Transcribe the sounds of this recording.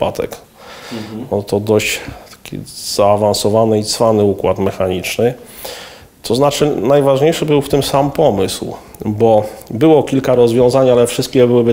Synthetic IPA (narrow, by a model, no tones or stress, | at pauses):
pa̰t̪ɛ̰k | ɔt̪ɔd̪ɔʑt̪ḁkʲḭz̥aːvansɔvanɛit̪sfanɘukwat̪mɛxaɲit͡ʂnɘ | t̪ɔznat͡ʂɘnajvaʐɲejʂɘbɘwft̪ɘmsampɔmɘsw | bɔbɘwɔkʲilkaɾɔzvʲjɔ̃zaɲalɛfʂɘst̪̚kʲɛbɘwɘbɘ